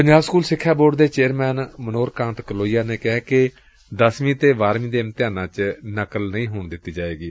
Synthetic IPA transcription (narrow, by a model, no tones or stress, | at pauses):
pəɲd͡ʒaːbskuːlsɪkʰːjaːboːɾɖd̪eːt͡ʃeːɾmɛːnmənoːɾkãːnt̪kəloːijaːneːkɛɛkɪ | d̪əsʋĩːt̪eːʋaːɾmĩːd̪eːmt̪ɪjaːnãːt͡ʃnəkəlnəĩːɦoːɳd̪ɪt̪ːiːd͡ʒaːeːɡiː